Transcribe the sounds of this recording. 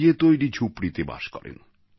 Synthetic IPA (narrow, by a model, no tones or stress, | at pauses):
et̪ojɾid͡ʑʰʱupɾit̪eba̰ʃkɔɾḛn